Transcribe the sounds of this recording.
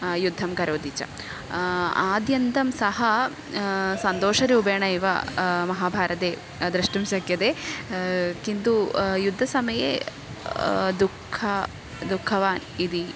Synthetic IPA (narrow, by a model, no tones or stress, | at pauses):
jud̪ʱːɐmkɐɾoːd̪it͡ʃɐ̰ | aːd̪jɐnt̪ɐmsɐɦɐ | sɐnt̪oːʂɐɾuːbeːɳɐjiʋɐ̰mɐɦaːbʱaːɾɐt̪eː | d̪ɾɐʂʈɐmʃɐkjɐd̪e | kint̪ujud̪ʱːɐsɐmɐjḛ | d̪ukʰːɐ | d̪ukʰːɐʋaːnid̪i